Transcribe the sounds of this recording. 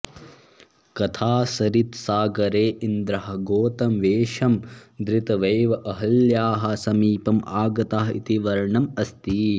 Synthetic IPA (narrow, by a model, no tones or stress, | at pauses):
kɐt̪ʰaːsɐɾit̪saːɡɐɾeːʔind̪ɾɐɦɐ̆ɡoːt̪ɐmʋeːʃɐmd̪ɾɪt̪ɐʋɐjʋɐʔɐɦɐljaːɦɐ̆sɐmiːpɐmaːɡɐt̪aːɦḭt̪iʋɐɾɳɐmɐst̪i